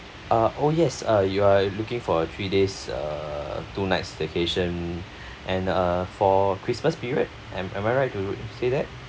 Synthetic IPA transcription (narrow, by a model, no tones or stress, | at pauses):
ʔʌʔojɛsʌjualukɪ̃ŋfɔət̪ʰɹidesʌ̰tunaɪtsdekʰeʃə̃n | ʔɛ̃nʌfɔkʰɹisməspiɹiə̰d̚ | ɛmɛ̰̃maɪɹaɪt̚ːusedɛt̚